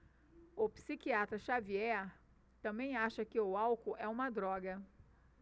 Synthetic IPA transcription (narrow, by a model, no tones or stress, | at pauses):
ʊpsikiat̪ɾɐʃaviɛɾ | t̪ɐ̃mbẽj̃aʃɐkɪʊawkʊʔɛũmɐd̪ɾɔɡɐ